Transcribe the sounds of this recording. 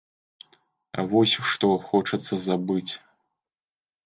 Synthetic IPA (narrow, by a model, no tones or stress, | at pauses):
ɐ̰vɔsʲʂt̪ɔxɔt͡ʂɐt̪sːɐzabɨt͡sʲ